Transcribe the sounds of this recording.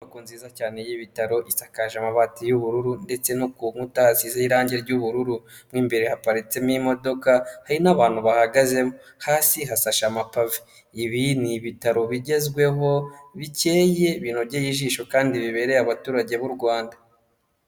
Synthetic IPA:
akunziːzacaːne̞jiβitaɾo̞ʔisakaʒamaβaːtijuβuɾuɾunde̞t͡se̞nokuŋutahazizeiɾaːɲɟe̞ɾɟuβuɾuɾu | mŋiːmbe̞ɾe̞hapaɾit͡se̞mimo̞do̞kahaɾinaβaːn̥huβahaɡaze̞mo | haːsiɦasaʃamapaviː | βiniβitaɾo̞βiɟe̞zɡwe̞ɦo̞βice̞ːje̞βiːnoβɟejiːʒiːʃo̞kaːndiβiβe̞ɾe̞aβatuːɾaɟe̞βuɾɡwaːnda

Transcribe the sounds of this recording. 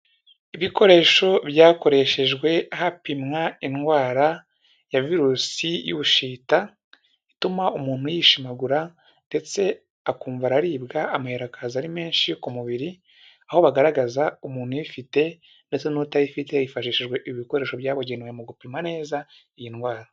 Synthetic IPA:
iβikʰo̞ɾe̞ːʃo̞βjaːko̞ɾe̞ʃe̞ʒɡwe̞ahapimŋainɡwaːɾa | javiɾuːsijṵβuʃiːta | itumaumuːn̥hujiʃimaɡuɾa | nde̞t͡se̞ | akuːɱvaɾaɾiːbɡaamaheɾakazaɾime̞ːnʃikumuβiɾi | aho̞βaɡaɾaɡazaumuːn̥hujifite̞ | nde̞t͡se̞nutajifite̞ifaʃiːʃeʒɡwe̞ʔiβiko̞ɾe̞ːʃo̞βjaːβoɟenwemuɡupimŋane̞ːza | ijinɡwaːɾa

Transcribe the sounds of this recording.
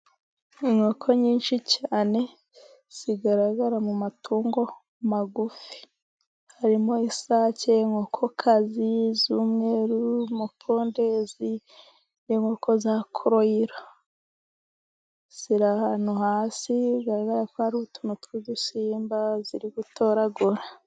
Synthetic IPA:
iŋo̞kʰo̞ɲiːnʃicʰaːne̞ | z̥iɡaɾaɡaɾamumatʰuːŋɡo̞ | maɡufi̥ | haɾimo̞isaːceŋo̞ːkʰo̞kʰazizuːmŋe̞ːɾumupʰoːnde̞zi | eŋokʰo̞zakʰoɾoiɾa | z̥iɾahanuhaːsiɡaɾaɡaɾakohaɾuutunutizusiːmbaziɾiɡutʰo̞ːɾaɡoɾa

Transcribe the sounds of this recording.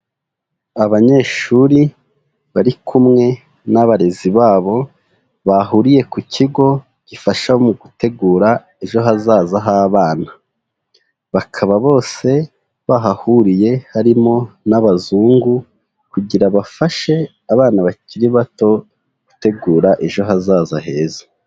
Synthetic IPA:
aβaɲe̞ːʃuɾi | βaɾikʰumŋe̞ | naβaɾe̞ziβaːβo̞ | βaɦuɾije̞kucʰiɡo̞ | ɟ̥ifaʃaomuɡute̞ɡuːɾa | e̞ʒo̞ɦazaːzaɦaːβaːna | βakʰaβaβo̞ːse̞ | βaɦahuɾije̞haɾimo̞naβazuːŋɡu | kuɟiɾaβafaʃe̞ | aβaːnaβaciɾiβato̞ | ɡ̥ute̞ɡuːɾaʔe̞ʒo̞ɦazaːzahe̞ːzḁ

